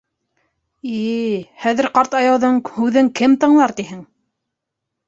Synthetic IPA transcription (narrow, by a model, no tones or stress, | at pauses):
ihæðɘ̆ɾqɑɾt̪ɑjɑwðɤɴhʉðɘŋkɘmt̪ɤ̆ɴlˠɑɾt̪iɦɘŋ